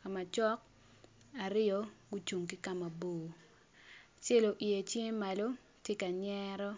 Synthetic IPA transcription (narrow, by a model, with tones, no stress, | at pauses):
ka˨ma˨t͡ʃɔ˦k | a˨ɾɪ˦ɔ˨ɡu˦t͡ʃu˨ŋki˦ka˦ma˨boː˨ | t͡ʃe˦lo˨ʔi˨e˨t͡ʃje˦ŋ˦ma˨lo˦ | tje˦ka˨ɲɛɾɔ˦